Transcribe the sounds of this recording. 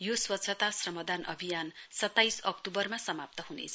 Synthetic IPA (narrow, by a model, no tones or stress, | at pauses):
joswʌt̪sʰʌt̪asrʌmʌd̪anʔʌbʱijansʌt̪ːajsʌk̚t̪ubʌrmasʌmap̚t̪ʌɦunḛt͡sʰ